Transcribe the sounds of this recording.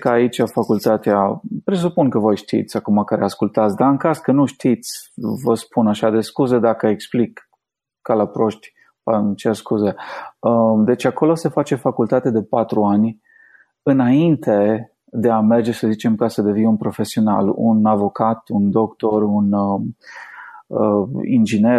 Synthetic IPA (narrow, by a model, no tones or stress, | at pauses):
kəait͡ʃʲafakult̪at̪eapɾe̞s̬upunkəvo̞jʃt̪ḭt̪sʲakumakəɾeaskult̪at̪sʲd̪aɨŋkaskənuʃt̪it̪sʲvəspunaʃad̪e̞skuze̞d̪akəeksplikː | alapɾo̞ʃt̪ʲ | aɨnt͡ʃerskuzeəd̪e̞t͡ʃako̞lo̞se̞fat͡ʃe̞fakult̪at̪ed̪e̞pat̪ɾuanʲ | ɨnaint̪ʰe̞ | d̪e̞ame̞rd͡ʒe̞səzit͡ʃe̞mkasəd̪e̞vinunpɾo̞fe̞sio̞na̰lṵnavo̞kat̪und̪o̞kt̪o̞run | əḭnd͡ʒine